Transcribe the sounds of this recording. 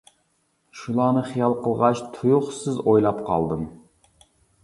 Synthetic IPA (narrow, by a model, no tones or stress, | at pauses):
ʃulˠɑːnɨχijɑlˠqʰəlˠʁɑt͡ʃt̪ʰujuχsɨzojlˠɑpqʰɑ̰lˠd̪ɨm